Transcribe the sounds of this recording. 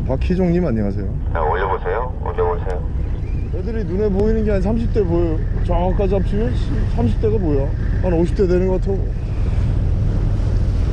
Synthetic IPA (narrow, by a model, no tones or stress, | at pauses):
pakʰid͡ʑoŋɲimaɲiŋasʰe̞joa̰oʎʌbosʰejo | o̰ʎʌbosʰejo | edɯɾinune̞boinɯnɡeaɲnsʰamɕ̬ʰip̚t͈e̞boot͡ɕʌŋak͈ad͡ʑiap̚ɕ͈imjʌnsʰamɕʰip̚t͈e̞ɡaboja | anoɕʰip̚t͈edwenɯnɡʌk͈atʰeɡo